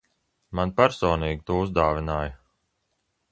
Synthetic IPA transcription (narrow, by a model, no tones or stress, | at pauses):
manpæɾsɔːniːɡʲit̪uːuzd̪aːvinaːja